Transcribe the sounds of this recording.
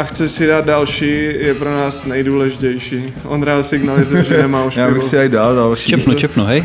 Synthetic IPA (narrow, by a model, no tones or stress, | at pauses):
axt͡sɛsɪdaːd̪̚dalʃiːjɛpɾonaːsnɛjduːlɛʒɪcɛjʃiː | ʔonɾaːt̪sɪɡnalɪzujɛʒɛnɛmaːuʃjaːbɪsɪajdaːldalʃit͡ʃːɛpnut͡ʃɛpnuɦɛj